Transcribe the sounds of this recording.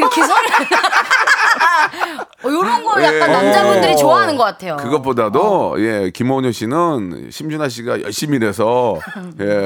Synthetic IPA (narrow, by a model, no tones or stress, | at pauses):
ɾkʰeɾ | joɾʌnɡʌjaanamd͡ʑamʌndɯɾit͡ɕoaɦanɯnɡʌk͈atʰejokɯɡʌp͈odadoje̞kimoɲoɕʰinɯnɕʰimd͡ʑunɦaɕ̬ʰiɡajʌ̰ɭɕ͈imiɾe̞sʰʌ | je̞